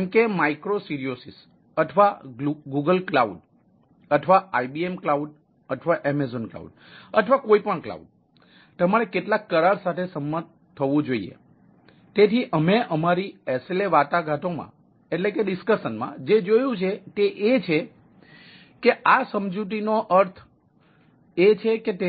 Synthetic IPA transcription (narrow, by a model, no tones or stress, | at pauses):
ɛmkemaikɾosiɾiosis | əʈ̪ʰʋaɡuɡəlklauɖ | əʈʰʋaajbiemklauɖ | əʈʰʋaʔɛmezonkla̰ṵɖ | əʈ̪ʰʋakoipəɳkla̰uɖ̚ | t̪əmaɾekeʈlakːəɾaɭsat̪ʰesəmːət̪ | t̪ʰːəʋũd͡ʒoiḛ | t̪et̪ʰiʔəmeʔəmaɾiɛseleʋat̪aɡʱaʈ̪omã̰ | eʈlekeɖiskəʃənmã̰d͡ʒed͡ʒojũt͡ʃʰet̪eʔet͡ʃʰe | keʔasəmd͡ʒuʈ̪̬inoʔəɾt̪ʰ | et͡ʃʰeket̪e